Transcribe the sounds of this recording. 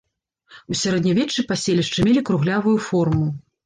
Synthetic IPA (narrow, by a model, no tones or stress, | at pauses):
usʲaɾɛd̪nʲavʲɛt͡ʂːɨpasʲelʲiʂt͡ʂɨmʲelʲikɾuɣlʲavujufɔrmu